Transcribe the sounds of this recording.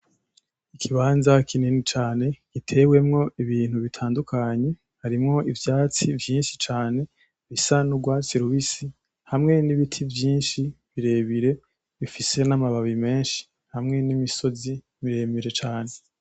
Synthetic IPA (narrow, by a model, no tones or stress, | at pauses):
ikʰiβaːnzakʰininit͡ʃaːne̞kitʰe̞we̞mŋo̞iβiːn̥huβitʰaːndukʰaɲe̞ | haɾimŋo̞ivjaːt͡sivjiːnʃi̥t͡ʃaːne̞ | βisanuɡwasiɾuβisi | hamŋe̞niβitʰivjiːnʃiβiɾe̞βiɾe̞ | βifise̞namaβaβime̞ːnʃi̥ | hamŋe̞nimiso̞zi | miɾe̞miɾe̞t͡ʃaːne̞